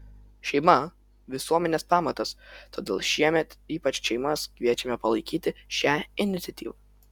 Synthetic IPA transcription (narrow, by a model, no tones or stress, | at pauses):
ʃʲɛɪmɐ | ʋʲɪsuɔmʲɛnʲeːspɑːmɐt̪ɐst̪oːd̪ʲḛːlˠʃʲiɛmʲɛt̪iːpɐt͡ʃʲʃʲɛɪmɐskʋʲiɛt͡ʃʲɛmʲɛpɐlˠɐɪkʲiːt̪ʲɪʃʲæːɪnʲɪt̪sʲɛt̪ʲiːʋɑ